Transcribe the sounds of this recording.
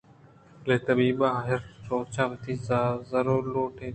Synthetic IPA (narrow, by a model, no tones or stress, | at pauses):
leːt̪əbiːɓaːɦɪɾsoːt͡ʃʰãːʋɪt̪ʰiːsaːzəɾoːloːʈẽː